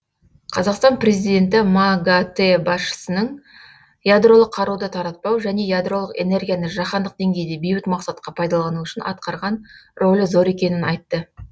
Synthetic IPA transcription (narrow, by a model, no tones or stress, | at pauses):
qʰɑzɑqst̪ɑnpre̞zijd̪e̞nt̪ɪmaɡat̪ebɑsʃə̥sənəɴ | jad̪ro̞lˠəqʰːɑɾud̪ət̪ʰɑɾɑt̪̚pɑwʒæne̞jad̪ro̞lˠəqe̞̰ne̞rɡʲijanəʒɑχɑnd̪əq̚d̪eŋɡʲe̞jd̪e̞bejbɪt̪mɑqsɑt̪qɑpʰɑjd̪ɑlˠɑnuʏʃɪnɑ̰t̪̚qɑɾʁɑnrʔo̞lʲɪzo̞ɾe̞kʲe̞nɪnɑjt̪ːə